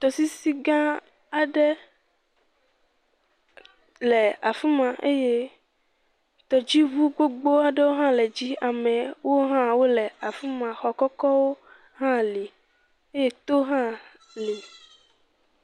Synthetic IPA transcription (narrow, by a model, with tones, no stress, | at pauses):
t̪ɔ˨si˦si˦ɡã˦ | a˨ɖe˦ | lɛ˨a˨fi˦mã˨ʔe˦je˦ | t̪ɔ˨d͡ʑi˦vu˦ɡ͡bo˦ɡ͡bo˦a˨ɖe˦wo˦ɦã˦lɛ˨d͡ʑi˦a˨mɛ̃˨wo˦ɦã˦wo˦lɛ˨a˨fi˦mã˨xɔ˨kɔ˦kɔ˦wo˦ | ɦã˦li˨ | e˦je˦t̪o˦ɦã˦ | li˨